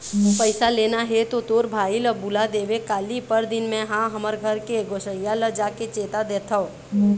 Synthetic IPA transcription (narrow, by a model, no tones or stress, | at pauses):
opəɪsaleːnaɦet̪ot̪oːɾbʱaːiləbʊlad̪eːʋekaːlipəɾd̪ɪnmẽɦãɦəməɾɡʱəɾkeɡoːʃəijaləd͡ʒaːket͡ʃeːt̪ad̪eːt̪ʰao